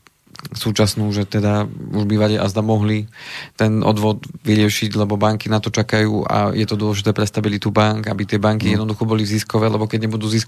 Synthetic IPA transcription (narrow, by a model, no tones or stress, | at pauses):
suːt͡ʃasnuːʒɛt̪ɛd̪auʒbiʋaʎɛʔazd̪amɔɦlit̪ɛnʔɔ̰d̪ʋɔd̪ʋiɾɪɛʃiɟlɛbɔbaŋkinat̪ɔt͡ʃakajuːʔa̰jɛt̪ɔd̪ʊɔlɛʒit̪ɛːpɾɛst̪abilit̪ubaŋkabit̪ɪɛbaŋkijɛd̪nɔd̪uxɔbɔliziskɔʋɛːlɛbɔkɛɟɲɛbud̪uːzis